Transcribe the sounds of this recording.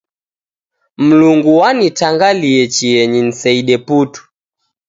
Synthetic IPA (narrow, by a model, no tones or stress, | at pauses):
m̩luŋɡuwanitaŋɡaliɛt͡ʃiɛɲin̩sɛiɗɛputu̥